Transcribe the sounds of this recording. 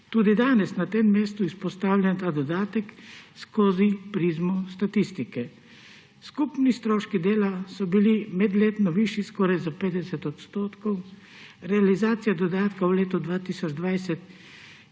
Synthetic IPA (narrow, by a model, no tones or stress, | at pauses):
t̪uːd̪id̪aːnɛsnat̪eːmmeːst̪uispɔst̪aːwlʲɛnt̪aːd̪ɔd̪aːt̪ɛkskoːzipɾizmɔst̪at̪ist̪ikɛ | skupnist̪ɾoːʃkid̪eːlasɔbilimɛd̪leːt̪nɔʋiʃiskɔɾajzapeːd̪ɛsɛt̪ɔt̪st̪oːt̪kɔw | ɾɛalizaːt̪sijad̪ɔd̪aːt̪kawleːt̪ud̪ʋaːt̪isɔd͡ʒd̪ʋajsɛt̪